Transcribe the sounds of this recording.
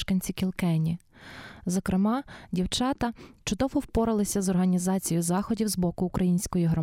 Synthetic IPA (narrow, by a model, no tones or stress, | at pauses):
ʃkɐnʲt͡sʲikʲilˠkɛnʲi | zɔkɾɪmɑdʲiwt͡ʃɑt̪ɐt͡ʃʊd̪ɔʋɔwpɔɾɪlˠɪsʲɐzɔrɦɐnʲizɑt͡sʲijʊzɑxɔdʲiwzbɔkʊːkɾʔɐjinʲsʲkɔjiɦɾɔ